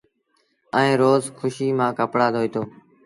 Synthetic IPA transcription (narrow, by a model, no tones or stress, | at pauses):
əẽːɾoːzkʰʊʃiːmãːkəpɽaːd̪oːiːt̪oː